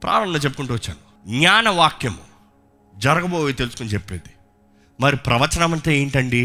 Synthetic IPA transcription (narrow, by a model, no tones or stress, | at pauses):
pɾʔa̰ːɾɐmnɐt͡ʃep̬ːu̥kuɳʈuːʋɐt͡ʃːa̰ːnu | ɡɲaːnɐʋaːkjɐmṵ | d͡ʒɐɾɐɡɐboːjit̪elusu̥konit͡ʃepːeːd̪i̥ | mɐɾipɾɐʋɐt͡ʃɐnɐmɐnt̪eːeːɳʈɐɳɖi